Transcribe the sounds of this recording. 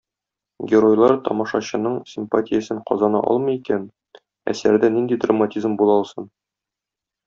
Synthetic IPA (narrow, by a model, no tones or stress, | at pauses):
ɡʲɪɾo̞jlˠɑɾt̪ɒ̰mɑʃɑɕɤ̆nɤɴsʲimpatʲɪjəsɘɴqɒzɑnɑ̰ʔɒ̰lˠmɤ̆jikæn | æ̰sæɾd̪ænind̪id̪ramatʲizmbulˠɑlˠsɤn